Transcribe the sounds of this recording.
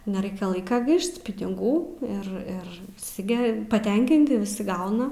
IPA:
nʲɛˈrɐɪkʲɛ ˈlˠɐɪkɐ ˈɡɐɪʃt pʲɪnʲɪˈɡuː ɪr ˈɪr ʋʲɪˈsʲɪ ˈɡʲɛ pɐˈtʲɛŋʲkʲɪnʲtʲɪ ʋʲɪˈsʲɪ ˈɡɐʊnɐ

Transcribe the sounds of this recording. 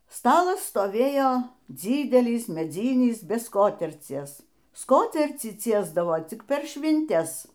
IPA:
ˈstɑːlˠɐs stoːˈʋʲeːjoː ˈd͡zʲiːdʲɛlʲɪs mʲɛˈd͡zʲiːnʲɪs bʲɛ ˈskoːtʲɛrʲt͡sʲiɛs ˈskoːtʲɛrʲt͡sʲiː ˈt͡sʲiɛzdɐʋoː ˈt͡sʲɪk pʲɛr ʃʲʋʲɪnʲˈtʲɛs

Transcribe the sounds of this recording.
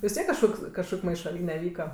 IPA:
ʋʲɪs ˈtʲiɛk kɐʃˈkoːks kɐʃˈkoːkʲ mɐɪʃɐˈlʲiːnʲɛ ˈʋʲiːkɐ

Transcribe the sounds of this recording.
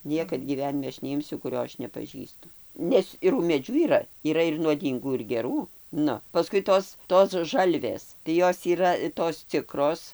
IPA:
ˈnʲiɛkɐt ɡʲiːˈʋʲæːnʲɪmʲɛ ˈɐʃ nʲɛˈɪmʲsʲʊ kʊˈrʲoː ˈɐʃ nʲɛpɐˈʒʲiːstʊ ˈnʲɛs ɪr ʊmʲeːˈd͡ʒʲuː iːˈrɐ iːˈrɐ ɪr nuɔˈdʲiːŋɡuː ɪr ɡʲɛˈruː ˈnʊ pɐˈskʊɪ ˈtoːs ˈtoːs ˈʒɐlʲʋʲeːs tɐɪ ˈjoːs iːˈrɐ toːs ˈt͡sʲɪkroːs

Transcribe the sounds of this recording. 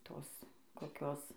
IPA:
ˈtoːs koːˈkʲoːs

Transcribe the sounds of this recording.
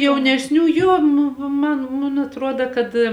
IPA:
jɛʊnʲɛsʲˈnʲuː ˈjoː nʊ ˈmɐn mʊn ɐtˈruɔdɐ kɐt

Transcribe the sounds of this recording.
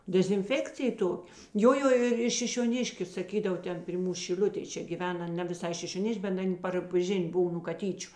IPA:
dʲɛzʲɪnʲˈfʲæːkt͡sʲɪjɛ ˈtoːkʲ ˈjoː ˈjoː ɪr ɪr ʃʲɪʃʲoːˈnʲɪʃʲkʲʊ sɐˈkʲiːdɐʋoː ˈtʲɛn pʲrʲɪ ˈmuːs ʃʲɪˈlʲʊtʲeːj ˈt͡ʃʲɛ ɡʲiːˈʋʲɛn ˈɐn nʲɛ ʋʲɪˈsɐɪ ʃʲɪʃʲoːˈnʲɪʃʲkʲ bʲɛt ˈɐnʲ pɐr ˈʒʲɪnʲ ˈbʊw nuː kɐˈtʲiːt͡ʃʲʊ

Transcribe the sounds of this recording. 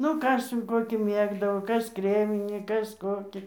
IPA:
ˈnʊ ˈkɐs jɛʊ ˈkoːkʲiː ˈmʲeːɡdɐʋoː ˈkɐs ˈkrʲæːmʲɪnʲiː ˈkɐs ˈkoːkʲiː

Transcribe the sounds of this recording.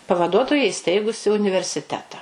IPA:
pɐʋɐˈduɔtoːjɛ ɪˈsʲtʲɛɪɡʊsʲɪ ʊnʲɪʋʲɛrʲsʲɪˈtʲæːtɐ

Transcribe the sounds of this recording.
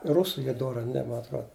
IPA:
ˈrʊsuː ˈiː ˈdoːrɐ ɐ ˈnʲɛ mɐ ɐtˈroːt

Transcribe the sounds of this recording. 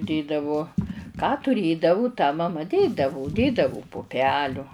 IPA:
ˈdʲeːdɐʋʊ kɑː tʊˈrʲeːdɐʋʊ tɑː mɐˈmɐ ˈdʲeːdɐʋʊ ˈdʲeːdɐʋʊ pʊˈpʲæːlʲʊ

